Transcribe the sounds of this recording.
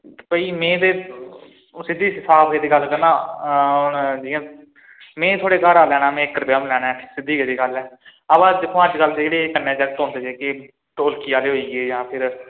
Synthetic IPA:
pəiːmẽːd̪eː | sɪd̪ʱiːsɪsʰaːbeːd̪eːɡəlkəɾnãːʊnd͡ʒiːãː | mẽːt̪ʰʊoaːɽeːkaːɾaːlɛːɽ̃ãːmẽːkːəɾpjaːmlɛːɽaːɛsɪd̪ːiːɡəd̪iːɡəlɛːəbãːd̪ɪkʰːõːəd͡ʒkəld̪eeːɽeːkənːẽːd͡ʒəkt̪ɦõːnd̪eːd͡ʒeːke | ʈoːlkiːaːleːɦoːiːɡeːjãːpʰɪɾ

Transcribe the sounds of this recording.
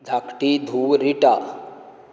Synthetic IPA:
d͡zʱakʈid̪ʱuwɾiʈa

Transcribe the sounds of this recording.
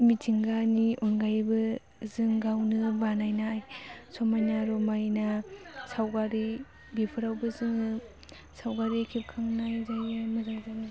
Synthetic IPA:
mitʰiŋɡanionɡajbɯ | zɯŋɡawnɯbanajnaːjsomajnaɾomajnasawɡaɾi | bipʰɯɾawbɯzɯŋɯ | sawɡaɾikʰip̚kʰaŋnajzajɯmɯzaŋzani

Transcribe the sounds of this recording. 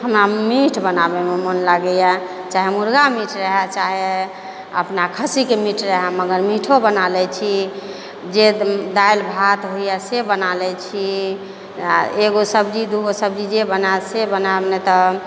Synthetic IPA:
ɦəmɾamiʈʰbənabememənlaɡɛja | t͡ʃaɦemuɾɡamiʈʰɾəɦɛt͡ʃaɦe | ə̰pnakʰəsikemiʈʰɾəɦɛməɡəɾmiʈʰobənalɛt͡ʃʰi | d͡ʒed̪ailbʱat̪ɦoijasebənalɛt͡ʃʰi | eɡosəbd͡ʒid̪uɡosəb̚d͡ʒid͡ʒebənasebənanet̪ɔ

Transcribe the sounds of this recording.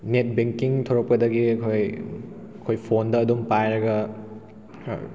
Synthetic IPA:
net̚beŋkiŋtʰoɾɐk̚pɐdɐɡiɐkʰoj | ɐkʰojpʰondɐːdumpajɾɐɡɐ

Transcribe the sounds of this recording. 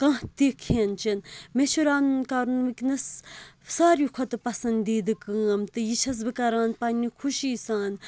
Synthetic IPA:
kãt̪ikʰent͡ʃinmet͡ʃʰuɾaːnnkaːɾunʋɨknɐssaːɾjikʰot̪ɨpɐsɐnd̪iːd̪ɨkɨːɐmt̪ɨjit͡ʃʰɐs̬bɨkɐɾaːnpɐnʲːikʰuʃiːsaːn

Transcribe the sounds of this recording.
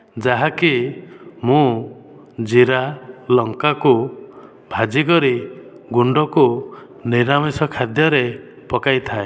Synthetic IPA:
d͡ʒaɦaki | mũ | d͡ʒiɾalɔŋkaku | bʱad͡ʒikɔɾiɡuɳɖɔku | niɾamisɔkʰad̪jɔɾe | pɔkajt̪ʰae

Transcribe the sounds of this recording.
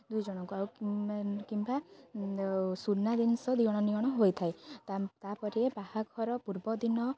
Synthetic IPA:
d̪ujd͡ʒɔɽ̃ɔŋkuaw | kimba | suɾnad̪inɔsɔd̪iɔɽ̃ɔniɔɽ̃ɔɦojt̪ʰajt̪apɔɾiebahakʰɔɾɔpuɾbɔd̪inɔ

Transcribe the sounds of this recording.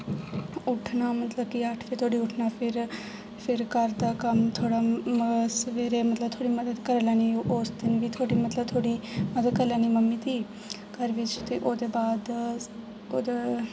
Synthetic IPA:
ʊʈʰnaːmət̪ləb̚kɪəʈʰʋit̪ʰoːɽiːʊʈʰnaːpʰɪɾ | pʰɪɾkəɾd̪aːkəmt̪ʰoːɽaːsəʋeːɾeːmət̪ləb̚t̪ʰoːɽiːməd̪əd̪kəɾlaːniːoʔosd̪ɪnʋiːt̪ʰoːɽiːmət̪ləb̚t̪ʰoːɽiːməd̪əd̪̚kəɾlaːniːməmːiːt̪ʰiː | kəɾʋɪt͡ʃt̪eːʔoːd̪eːbaːd̪ | oːd̪e

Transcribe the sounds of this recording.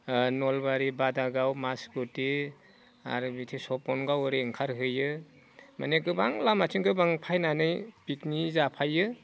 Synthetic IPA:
nɔlbaɾibadaɡawmasɡuti | a̰ɾɯbitʰesɔpɔnɡawɾeŋkʰaɾɦɯjɯ | ma̰neɡɯbaŋlamatʰinkɯbaŋpʰajnanɯjpiknizapʰajɯ

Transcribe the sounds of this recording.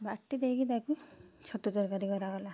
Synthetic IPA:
baʈːid̪ekid̪akut͡ʃʰɔt̪ud̪ɔɾkaɾikɔɾaɡɔla

